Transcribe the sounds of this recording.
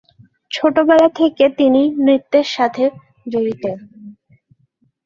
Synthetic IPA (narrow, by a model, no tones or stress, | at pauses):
t͡ɕʰoʈobɛlat̪ʰeket̪inimɾit̪ːeɾʃat̪ʰe | d͡ʑoɾit̪en